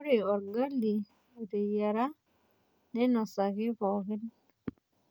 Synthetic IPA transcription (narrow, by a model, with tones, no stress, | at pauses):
o˦ɾe˨ɔ˨ɾɡa˦lːi˨ | o˨t̪e˨ja˨ɾa˦ | nɛ˦nɔ˨sa˨kɪ˦pɔkɪ˦n